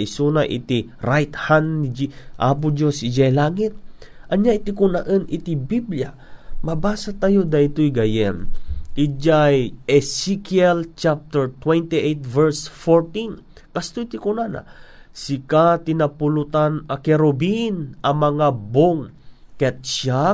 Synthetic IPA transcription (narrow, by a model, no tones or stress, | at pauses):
ʔisunaʔɪ̰t̪i | ɾajt̪hand̪nid͡ʒiʔa̰p̬ʊd͡ʒosɪd͡ʒajlaːŋɪt̪̚ | ʔɐɲjajt̪ikʊnaʔənʔɪt̪ibiblja | mabaːsat̪ajod̪aɪt̪ojɡajɛnʔɪd͡ʒajɛsikiɛlt͡ʃap̚t̪ɛɹt̪wɛnt̪iʔejt̪̚vɛɹsfoɹt̪in | kɐst̪ojt̪ikʊnana̰sɪkat̪ɪnapʊlʊt̪anɐkɛɾobinʔɐmɐŋaboŋkɛt̪t͡ʃa